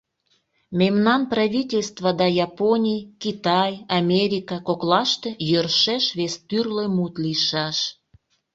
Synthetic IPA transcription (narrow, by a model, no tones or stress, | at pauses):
mʲemnɑnpraβʲitʲelʲst̪vɑd̪ɑjɑponʲijkit̪ɑjɑmʲeɾʲikɑkoklɑʃt̪ejərʃeʃβest̪yrlemut̪liʃɑʃ